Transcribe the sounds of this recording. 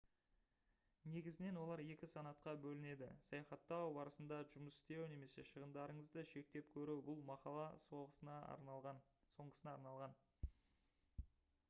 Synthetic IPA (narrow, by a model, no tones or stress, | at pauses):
ne̞ɡʲɪzɪne̞nwo̞lˠɑɾje̞kʲɪsɑnɑt̪qɑbɵlɪne̞d̪ɪ̰sɑjɑχɑt̪ːɑwbɑɾəsənd̪ɑʒʊməsɪ̥st̪e̞wne̞me̞se̞ʃəʁənd̪ɑɾəɴəzd̪əʃe̞k̚t̪e̞p̚kʲʰɵɾuwbʊlˠmɑqɑlˠɑo | oɴʁəsənɑːɾnɑlˠʁɑn